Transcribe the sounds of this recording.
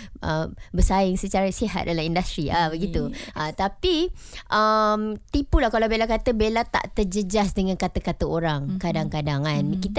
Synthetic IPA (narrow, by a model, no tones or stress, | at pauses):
ʔəbəsaɪŋsət͡ʃaɾasiɦa̰t̪̚dalamindast̪ɾiʔabəɡit̪uʔət̪apiʔəmt̪ipulahkalawbelakat̪əbelat̪a̰ʔt̪əd͡ʒəd͡ʒasdəŋãnkat̪əkat̪əoɾaŋkadaŋkadaŋankit̪